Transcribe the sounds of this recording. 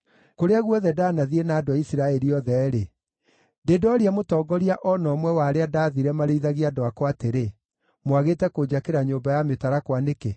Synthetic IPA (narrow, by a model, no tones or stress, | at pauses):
koɾeaɣwɔðɛdaːnaðienaːdoaisiɾaɛɾiɔðɛɾe | dedɔɾiamotɔːɡɔɾiaʔɔnɔmwɛwaɾeadaːðiɾɛmaɾeiðaɣiadoakɔateɾe | mwaɣetɛkod͡ʑakeɾaɲoːmbajametaɾakwaneke